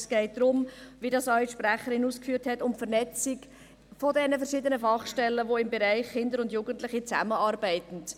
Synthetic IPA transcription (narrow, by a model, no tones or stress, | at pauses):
sɡ̥ɛɪt̚d̪̥ɾʊmʋidɑsœʏtʃpɾæχəɾɪnuːskfyːthɛtʊmfəɾnɛt͡sɪk | fodɛnəfəɾʃɪdənəfɑχʃtɛlːəʋoɪmbɛɾæɪχχɪndəɾʊndjuːɡ̥əntlɪχit͡sæ̰məɑːɾbæɪtən̩t